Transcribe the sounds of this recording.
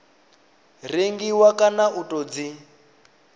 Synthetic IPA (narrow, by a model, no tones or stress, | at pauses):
r̤iŋɡiwakʼanaʔutʼɔd͡zi